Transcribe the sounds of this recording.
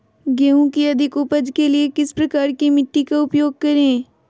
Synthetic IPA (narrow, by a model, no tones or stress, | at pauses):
ɡeːũkiɐd̪ʱɪkʊpəd͡ʒkeliekɪspɾɐkaːɾkimɪʈːikaʊpjoːɡ̚kɐɾẽː